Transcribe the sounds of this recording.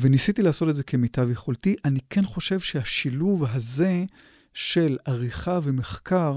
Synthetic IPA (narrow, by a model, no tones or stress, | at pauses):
venisitilaːso̞tedze̞kʰe̞mitavjeχoltiʔanikʰenχo̞ʃe̞vʃehaʃiluvɦaze̞ | ʃe̞laʁiχavemeχkʰaʁ